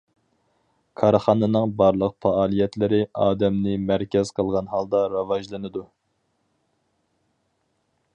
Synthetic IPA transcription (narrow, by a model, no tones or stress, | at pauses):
kʰɑɾχɑːnɨnɨŋbɑɾlˠəq̚fɑɑːlˠijɛt̪lɪɾɪɑːd̪ɛmnɪmæɾkʲʰɛz̥qʰəlˠʁɑnhɑlˠd̪ɑɾɑvɑʒlˠɨnɨd̪u